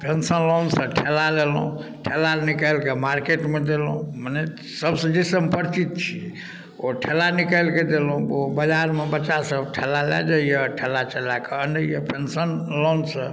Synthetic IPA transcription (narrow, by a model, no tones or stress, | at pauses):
pensənlonsə̃ʈʰelalelṵ̃ʈʰelanikəlkemaɾkeʈmed̪elũməne | səbsə̃d͡ʒisəmpəɾt͡ʃit̪̚t͡ʃʰḭ | oʈʰelanikəlked̪elũbobəd͡ʒaɾmebətːʃasəbʈʰelalɛ̰d͡ʒəijəʈʰelːat͡ʃəlakeənɖəjəpensənlonsə̃